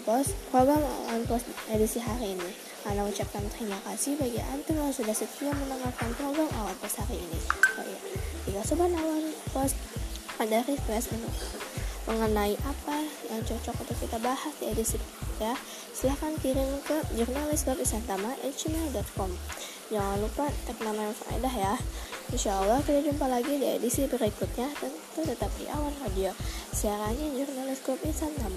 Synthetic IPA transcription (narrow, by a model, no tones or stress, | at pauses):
pɔspɾoɡɾama̰wanpɔst̪edisiɦaɾiːni | anaut͡ʃap̚kant̪əɾimakasɪhbaɡiʔa̰nt̪ɪmjaŋsudahsət̪iamənəŋafkanpɾoɡɾamʔawanpɔst̪haɾiːniɔ̰ʔjad͡ʒikasɔbanawanpɔst̪adaɾifɾɛsinʊ | mʔəŋənaiʔapajaŋt͡ʃɔt͡ʃɔkṵnt̪ʊkːit̪abahasdiedisibəɾikʊ̥t̪ja | səlahkankiɾɪmkəd͡ʒurnalɪsɡɔpisant̪amaʔɛ̰t̪̚d͡ʒimɛldɔt̪̚kɔm | d͡ʒaŋanlupat̪ɛk̚namaafa̰ḛdahjahinʃaalahkit̪ad͡ʒumpalaɡidiḛdisibəɾikʊt̪̚ɲat̪ənt̪ut̪ət̪ap̚dḭʔa̰wanradiosiaɾaɲad͡ʒurnalɪsɡɾɔpisant̪ama